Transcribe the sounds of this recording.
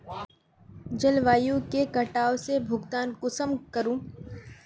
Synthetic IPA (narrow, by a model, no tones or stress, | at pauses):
d͡ʒɐlʋaːjũkekɐʈaːosebʱʊɡt̪aːnkʊsəmkəɾũː